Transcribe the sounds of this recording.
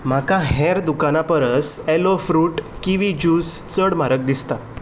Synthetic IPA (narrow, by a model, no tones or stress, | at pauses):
m̤akãɦɛɾd̪ukanapəɾəselofɾuːʈkiʋid͡ʑuːst͡səɽmaɾək̚d̪ist̪a